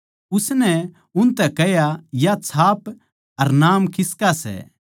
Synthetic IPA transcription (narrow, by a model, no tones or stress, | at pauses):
ʊsnɛ | ʊnt̪ɛkɛjajat͡sʰaːp | ɐɾnaːmkɪskasɛ̰